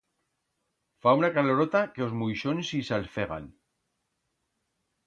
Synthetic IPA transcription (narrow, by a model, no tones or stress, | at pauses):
faunakaloɾot̪akeozmujʃonsisalfeɣa̰n